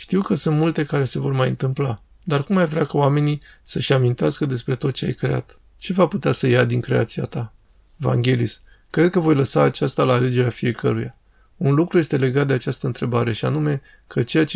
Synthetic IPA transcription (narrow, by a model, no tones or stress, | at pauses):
ʃt̪iwkəsɨnt̪mult̪e̞kaɾe̞se̞vo̞rmajɨnt̪ɨmpla | d̪arkumːajvɾʲakaowame̞nisəʃamint̪easkəd̪e̞spɾe̞t̪o̞t̪̚t͡ʃe̞a̰jkɾe̞a̰t̪ | t͡ʃe̞vaput̪easəjad̪iŋkɾe̞a̰t̪sia̰t̪a | eva̰ŋɡʲe̞liskɾe̞d̪̚kəvo̞jləsaːt͡ʃast̪alaːle̞d͡ʒe̞ɾeafije̞kəɾuja | unlukɾuje̞st̪e̞le̞ɡat̪̚d̪e̞at͡ʃast̪əɨnt̪ʰɾe̞baɾe̞ʃia̰nume̞ | kʰət͡ʃe̞jat͡ʃe